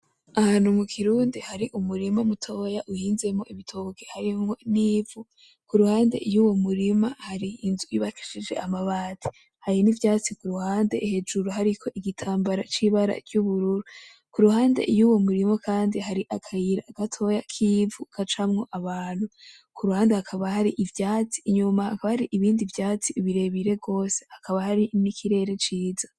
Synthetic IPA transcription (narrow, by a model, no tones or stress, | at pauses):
ahaːnhumukʰiɾuːndihaɾiʔumuɾimamutʰo̞jaʔuhiːnze̞mŋo̞ʔiβitʰoːɡehaɾimŋo̞niːvu | kuɾuhaːnde̞̰juwo̞muɾimahaɾiːnzujuβaki̥ʃid͡ʒe̞̰ʔamaβaːtʰi̥ | hajinivjaːt͡sikuɾuhaːnde̞̰ʔihe̞d͡ʒuɾuɦaɾikʰo̞ʔiɡitʰaːmbaɾa̰t͡ʃiβaɾa̰ɾɟuβuɾuɾu | kuɾuhaːnde̞̰ʔijuwo̞muɾimakʰaːndiɦaɾiʔakʰajiɾaːɡ̥atʰo̞jakʰivukʰat͡ʃamŋo̞ʔaβaːn̥hu | kʰuɾuhaːnde̞hakʰaβahaɾiʔivjaːt͡si̥ɲumahakaβahaɾiʔiβiːndivjaːt͡siiβiɾe̞βiɾe̞bɡo̞ːse̞̥hakaβahaɾinikʰiɾe̞ːɾe̞t͡ʃiːzḁ